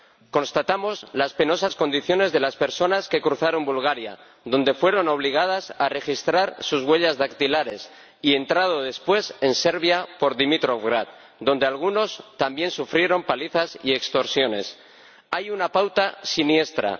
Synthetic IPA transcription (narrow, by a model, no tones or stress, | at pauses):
ko̞nst̪at̪amo̞zlaspe̞no̞sasko̞nd̪iθjo̞ne̞zðe̞laspe̞ɾso̞naske̞kɾuθaɾo̞mbulɣaɾja̰ | ðo̞nd̪e̞fwe̞ɾo̞no̞β̞liɣ̞að̞asare̞xist̪ɾaɾsuzɣwe̞ʎazðakt̪ilaɾe̞s | ie̞nt̪ɾað̞o̞ð̞e̞spwe̞se̞nse̞ɾβjapo̞ɾðimit̪ɾofɣɾat̪̚ | d̪ond̪e̞alɣ̞uno̞st̪ambje̞nsufɾje̞ɾo̞mpaliθasie̞kst̪o̞ɾsjo̞ne̞̰s | ajunapawt̪asinje̞st̪ɾa̰